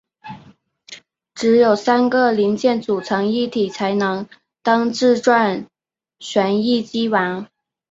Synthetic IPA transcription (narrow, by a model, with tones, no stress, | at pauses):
ʈ͡ʂɻ̩˧˥jo˨˩ʊsa˥nɡə˨li˧˥ŋt͡ɕjɛ˥˩nt͡su˨˩t͡sʰɤ˧˥ŋi˥˩t̪ʰi˨˩t͡sʰa˧˥ɪnɤ˧˥ŋ | t̪ɑ˥ŋʈ͡ʂɻ̩˥˧ʈ͡ʂwa˥˩n | ɕɥɛ˧˥ni˥˩t͡ɕi˥wa˧˥n